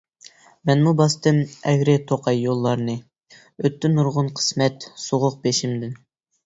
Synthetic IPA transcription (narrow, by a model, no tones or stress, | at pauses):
mɛnmubɑst̪ɨmɛɡʲɾɪt̪ʰoqʰɑjːolˠːɑɾnɨ | øt̪ːɪnuɾʁʊnqʰə̥smɛt̪soʁʊq̚beʃimd̪ɪn